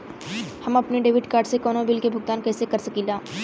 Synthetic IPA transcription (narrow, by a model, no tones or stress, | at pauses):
hɐmɐpniɖeːʋɪʈkaːɾɖsekɔːnõbɪlkebʱʊɡ̚t̪aːnkɛːsekɐɾsɐkiːlaː